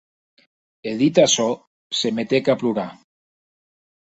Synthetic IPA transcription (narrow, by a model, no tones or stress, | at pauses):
eðit̪asɔ | semet̪ekapluɾa